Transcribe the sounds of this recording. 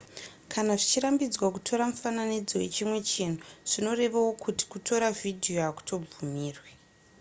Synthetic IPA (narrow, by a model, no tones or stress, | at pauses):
kʰanaʐit͡ʃirambid͡zwak̬utʰo̞ɾamufananid͡zowe̞t͡ʃimwe̞t͡ʃenuʐ̥ino̞re̞ʋawo̞kʰuti̥kutʰo̞ɾavidʱijo̞aku̥tʰo̞b͡vumiːrwe